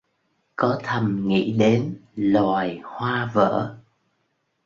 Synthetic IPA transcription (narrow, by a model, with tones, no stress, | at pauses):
kɔ˨˦t̪ʰə˨˩mŋḭ˧˥ɗe˨˦nlaː˨˩jhwaː˧və̰ː˧˥